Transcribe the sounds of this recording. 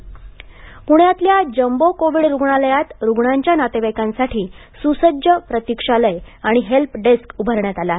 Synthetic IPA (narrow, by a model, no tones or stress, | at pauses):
puɳjat̪ljad͡ʑəmbokoʋiɽɾuɡɳaləjat̪ɾuɡɳaɲt͡ɕjanat̪eʋajkãnsaʈʰiː | susəd͡ʑjəpɾət̪ikʂaləjaɽ̃iɦelpɖeskubʱəɾɳjat̪ala